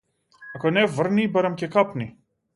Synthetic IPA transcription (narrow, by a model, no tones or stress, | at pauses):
ɐkonɛvərnibɐɾɐmcɛkapni